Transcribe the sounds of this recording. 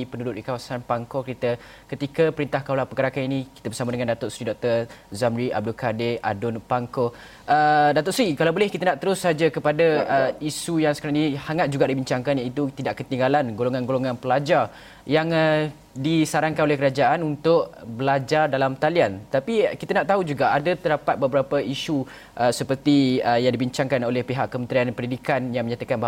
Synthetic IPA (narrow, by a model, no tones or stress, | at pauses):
ipənudʊt̪ʔ̪̚dikawasanpaŋkokəɾit̪a | kət̪ikapəɾint̪ahkaulapəɡəɾakaninikit̪əbərsamadəŋandat̪ʊtsɾidɔk̚t̪ərzamɾia̰b̚dulkadea̰dʊnpaŋko | ʔədat̪ʊʔsɾikalawbolɛhkit̪anaʔt̪əɾʊsːad͡ʒakəpadaisujaŋsəkaɾaŋinihaŋat̪̚d͡ʒuɡaʔdibiɲt͡ʃaŋkanjait̪ut̪idaʔkət̪iŋɡalanɡoloŋãnɡoloŋãnpəlad͡ʒar | jaŋə | disaɾaŋkanolɛhkəɾad͡ʒaʔanunt̪ʊʔbəlad͡ʒardalamt̪aliant̪apikit̪anaʔt̪aɦud͡ʒuɡaʔadat̪ədapat̪̚bəbəɾapəisu | ʔəsəpərt̪iəjaŋdibiɲt͡ʃaŋkanolɛhpeɦaʔkːəmənt̪ɾianpəndidikanjaŋmə̃ɲat̪akanba